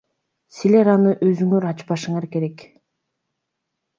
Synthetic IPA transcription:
sile̞ɾɑnɯʔøzyŋøɾɑt͡ʃpɑʃɯɴɑɾke̞ɾe̞k

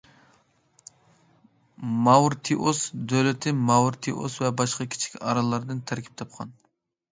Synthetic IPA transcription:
mɑwɾt̪ʰiʔosd̪øwlɪt̪ʰɪmɑwɾt̪ʰiʔo̰svɛbɑʃqɑkʲʰi̥t͡ʃʰi̥kʲɑɾɑlˠːɑɾd̪ɨnt̪ʰæɾkʲʰi̥p̚t̪ʰɑp̚qʰɑn

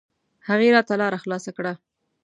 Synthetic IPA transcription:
haɣeɾɑt̪ːalɑɾaxlɑsakɽa

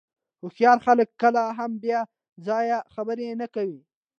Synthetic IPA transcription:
xʊxjɑɾxaləkːəlaɦambjɑ | zɑjaxabəɾenakawi

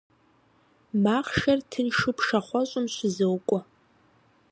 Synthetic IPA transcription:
maːχʃɐrtʰɨnʂɨpʰʂɐχʷɔɕʼʊmɕʷɪzɐwkʷʼɔ

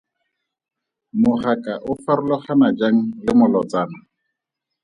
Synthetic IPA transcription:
mʊχakʼaʔʊfaɾʊlɔχanad͡ʒaŋ̩lɪmʊlɔt͡saːna

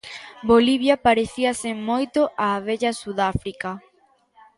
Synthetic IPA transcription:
boliβ̞jɐpaɾeθiɐsemojt̪oʔaβeʎɐsuðafɾikɐ

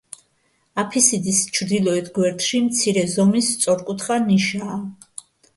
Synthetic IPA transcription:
apʰisid̪ist͡ʃʰɾd̪ilˠɔɛt̪ʰɡwɛɾt̪ʰʼʃimt̪sʰiɾɛzɔmist̪sʼɔɾkʼut̪ʰχaniʃaː

